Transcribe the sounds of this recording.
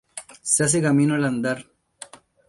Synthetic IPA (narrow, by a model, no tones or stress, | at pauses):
sɐs̬iɡɐminolɐnd̪ɐɾ